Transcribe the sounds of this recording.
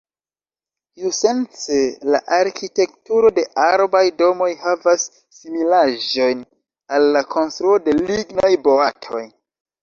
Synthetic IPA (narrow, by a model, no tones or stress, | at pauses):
juse̞nt͡sela̰ʔaɾkʰite̞k̚tuɾo̞de̞ʔaɾbajdo̞mo̞jhavasː | imilaʒo̞jn | alːakʰo̞nstɾuo̞de̞liɡnajbo̞atʰo̞̰j